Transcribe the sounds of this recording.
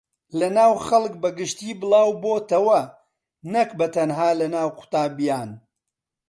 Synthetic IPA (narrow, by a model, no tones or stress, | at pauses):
lɐnaːwχɐlˠk̚bɐɡɨʃt̪iːbɨlˠaːwboːt̪ɐwɐ | nɐkbɐt̪ɐnɦaːlɐnaːwqʰʊ̥t̪aːbijaːn